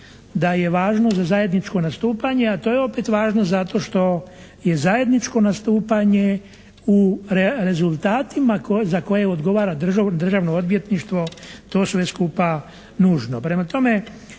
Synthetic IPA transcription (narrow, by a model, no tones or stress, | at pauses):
d̪aje̞ʋaːʒno̞zazajed̪nit͡ʃko̞nast̪uːpaɲe̞at̪o̞ːjeo̞pet̪ʋaːʒno̞zat̪o̞ʃt̪o̞ | je̞zaje̞d̪nit͡ʃko̞nast̪uːpaɲe̞ | uɾeɾe̞zulˠt̪aːt̪imakozako̞je̞od̪ɡo̞ʋaːɾad̪r̩ʒad̪r̩ʒaʋnood̪ʋje̞t̪niʃt̪ʋo̞t̪o̞ːsʋe̞skuːpa | nuːʒno̞pɾe̞mat̪o̞me̞